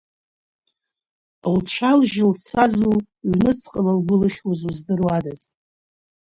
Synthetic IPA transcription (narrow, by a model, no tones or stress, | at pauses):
lt͡ʃʷʰalʒɪlt͡sʰazu | ɥnɨt͡sʰqʼəlalɡʷʊlɨχʲwazuzdɨrwadaz̥